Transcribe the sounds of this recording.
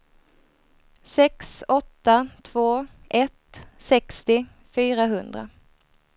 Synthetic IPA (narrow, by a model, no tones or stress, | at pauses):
sɛksɔt̪ːat̪ʰvoːʔɛt̪sɛkst̪ɪ | fyːɾaɦɵnd̪ɾa̰